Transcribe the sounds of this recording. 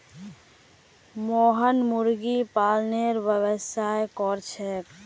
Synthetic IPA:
moːɦənmuɾɡipaːlneɾʋəbəsaekɔɾt͡ʃʰɛ

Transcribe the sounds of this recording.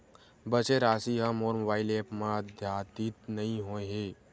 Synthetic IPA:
bət͡ʃeɾaːsiɦãmoːɾmobaːɪleːpmãd̪ʱjaːt̪it̪nɐɦĩɦõːeɦeː

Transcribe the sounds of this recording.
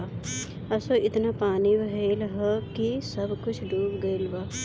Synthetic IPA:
a | ɐsoʔɪt̪napaːniʋɐɦeːlɦəkisɐbkʊt͡ʃʰɖuːbɡɐɪlbaː

